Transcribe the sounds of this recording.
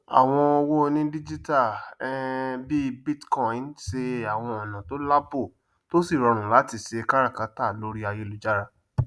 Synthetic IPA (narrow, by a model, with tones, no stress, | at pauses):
a̰˨w̃ɔ̃˧o˧wo˦˧nĩ˦di˦d͡ʒi˦ta˦˨ɛ˦bi˦bi˦tkɔ˦ĩ˨nse˧a˨w̃ɔ̃˧ɔ˨nã˨to˦la˦bo˦˨ | to˦si˦˨ɾɔ˧ɾ̃ũ˨la˨˦ti˧˨se˧ka˦ɾa˦˨ka˨˦ta˦˨lo˨˦ɾi˦a˧je˦lu˨˦d͡ʒa˦ɾa˧